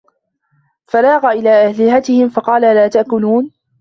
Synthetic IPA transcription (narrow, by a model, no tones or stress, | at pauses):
falɑːɣaʔɪlaːʔahlɪhat̪ɪhɪmfɑqɑːlalaːt̪aʔkʊluːn